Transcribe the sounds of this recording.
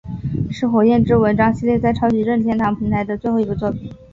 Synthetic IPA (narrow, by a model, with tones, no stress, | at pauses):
ʂɻ̩˥˩xwɔ˨˩jɛ˥˧nʈ͡ʂɻ̩˥wə˧˥nʈ͡ʂɑ˥ŋɕi˥ljɛ˥˧t͡sa˥˩ɪʈ͡ʂʰɑ˥ʊt͡ɕi˨˥ɻə˥˧nt̪ʰjɛ˥˩nt̪ʰɑ˧˥ŋpʰi˧˥ŋt̪ʰa˧˥ɪd̪ə˧t͡swe˥˧ɪxo˥˩˧ɡə˧t͡swɔ˥˩pʰi˨˩˦